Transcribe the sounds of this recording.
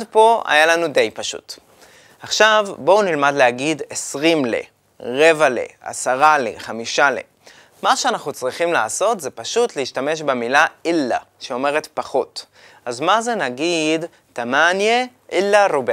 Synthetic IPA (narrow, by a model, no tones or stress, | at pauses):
dpo̞a̰jalanude̞jpaʃṵt | aχʃavbo̞unilmadleaɡidesʁimlḛ | ʁe̞valḛa̰saʁalḛχamiʃalḛ | maʃeanaχnut͡sʁiχimlaːso̞tzepaʃutleiʃtame̞ʃbemilailːa̰ | ʃeo̞me̞ʁetpaχo̞t | azmaze̞naɡid | tamanje | ʔilːaɾob